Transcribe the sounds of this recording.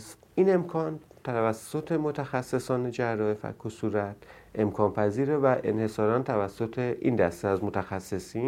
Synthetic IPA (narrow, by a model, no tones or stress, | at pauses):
s | iːne̞mkʰɒːnt̪ʰævæsːo̞t̪ʰemot̪ʰæxæsːe̞sɒːne̞d͡ʒærːɒːefæ̰kʰːosuɾæt̪ʰ | ʔe̞mkʰɒːnpʰæziːɾevæʔḛnhe̞sɒːɾɒːnt̪ʰævæsːo̞t̪ʰeʔḭːnd̪æst̪eæzmot̪ʰæxæsːe̞siː